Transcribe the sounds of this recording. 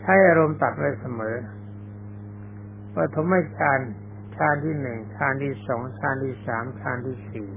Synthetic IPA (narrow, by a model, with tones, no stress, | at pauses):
t͡ɕʰa˥˩jʔaː˧ɾo˧mt̪a˨˩t̪̚ɾa˧sa˧mɤː˩˦˥ | pɾa˧t̪ʰo˩˦ma˥˩jkʰaː˧n | t͡ɕʰaː˧nt̪ʰiː˥˩nɯ˨˩ŋt̪ʰaː˧nt̪ʰiː˥˩sɔː˩˦ŋt͡ɕʰaː˧nt̪ʰiː˥˩saː˩˦mtʰaː˧nt̪ʰiː˥˩siː˨˩